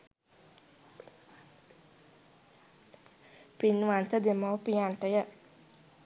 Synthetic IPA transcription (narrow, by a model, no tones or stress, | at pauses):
pinʋant̪ɐd̪imapijaɳʈɐjɐ